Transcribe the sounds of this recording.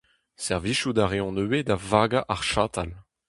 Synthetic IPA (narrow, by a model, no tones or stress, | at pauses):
sɛʁviʃud̪aʁeɔ̃nøwed̪avaɡaʔaʁʃaːt̪al